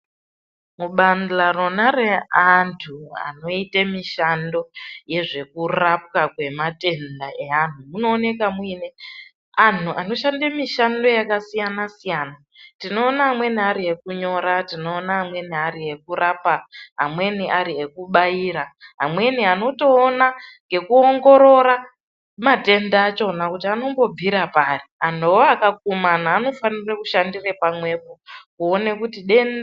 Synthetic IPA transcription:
muɓandlaronareantʰua̰no̞itemiʃando̞je̞ʐe̞kurap̚kakwe̞mate̞ndaʔe̞an̤umuno̞ːne̞kamuine | an̤uʔano̞ʃandemiʃando̞jakasijanasijaːna | tino̞ːnaːmwe̞niaɾie̞kuɲo̞ɾatino̞ːnaɦːmwe̞niaɾiɦe̞kuɾaːpaɦa̰mwe̞niʔaɾie̞kuɓaiːɾaɦa̰mwe̞niano̞to̞ːnaŋɡe̞kuoŋɡo̞ɾo̞ɾa | mate̞ndaːt͡ʃo̞nakutiano̞mbo̞b͡viɾaparian̤owoakak̚umanaːno̞fanirekuʃandirepamwe̞pokuone̞kutiɗe̞n

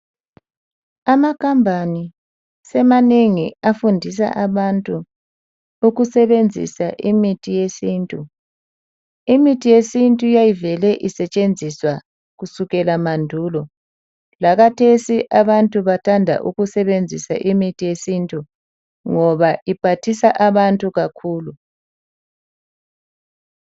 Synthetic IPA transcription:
amakʰambʱani | sɛmaneŋiafundʱis̬a̰ʔaβantʼu | uɣusɛβend͡zʱḭsaʔimitʰijesiːntʼu | imitʰijesintʼujajivɛlɛʔisɛt͡ʃʼend͡zʱiswa | ɣusuɣɛlamandʱulɔ | lakatʰesiʔaβantʼuβatʰandʱa̰ʔṵɣusɛβend͡zʱisa̰ʔimitʰʼijesintʼu | ŋɔβaʔipʰatʰisaʔaβantʼuɣakʰuːlu

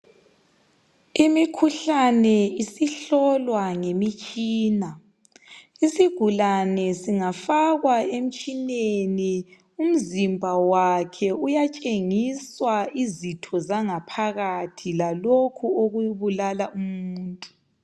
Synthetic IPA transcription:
imikʰuɬanɛisiɬɔlwaŋemit͡ʃʼiːna | isiɡ̥ʱulanɛsiŋafaɣwaem̩t͡ʃʼineni | um̩zimbʱawakʰɛujat͡ʃʼeŋiswaizitʰɔzaŋapʰaɣatʰilalokʰuoɣujuβulalaʔumuːntʼu

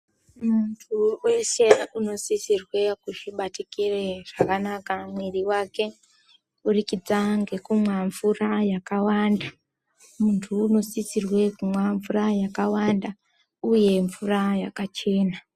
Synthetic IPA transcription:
muntʰuwe̞ʃe̞uno̞sisirwe̞kuʐiɓatikireʐ̥akanakamwiriwake̞ | urikid͡zaŋɡe̞kumwaɱvurajakawanda | muntʰuːno̞sisirwe̞kumwaɱvurajakawanda | uje̞ɱvurajakat͡ʃe̞ːna

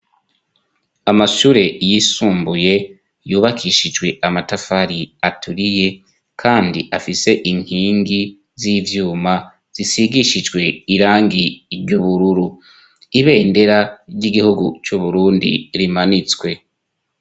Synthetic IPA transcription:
amaʃuːɾe̞jisuːmbuje̞ | juːβakʰiʃid͡ʒɡwe̞ʔamatafaɾiatuɾije̞ | kʰaːndiʔafise̞ʔiŋ̥hiːŋɡi | ziːvjuːma | z̥isiɡiʃid͡ʒɡwe̞iɾaːŋɡiɾɟuβuɾuɾu | iβe̞ːnde̞ɾaɾɟiɡihuɡṵt͡ʃuβuɾuːndḭɾimanit͡skwe̞

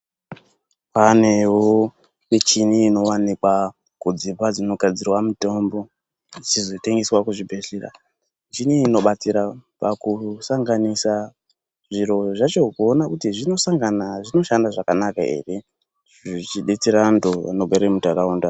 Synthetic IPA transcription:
pane̞wo | mit͡ʃiniːno̞wanikwa | kud͡zipad͡zino̞ɡʱad͡zirwamuto̞mbo̞ | d͡zizo̞te̞ŋɡeswakuʐibʱe̞ɬera̰ | nd͡ʒiniino̞ɓat͡siɾapakusaŋɡanisa | ʐiɾo̞ʐat͡ʃo̞kuonakutiʐino̞saŋɡanaʐino̞ʃandaʐakanakae̞̰ːre̞ | ʐit͡ʃiɗet͡siɾandoa̰noɓeɾemutaɾauːnda

